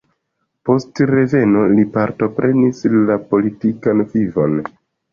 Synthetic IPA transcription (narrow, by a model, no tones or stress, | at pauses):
po̞stɾe̞ve̞no̞lipaɾto̞pɾʔe̞nislapo̞litikanvivo̞n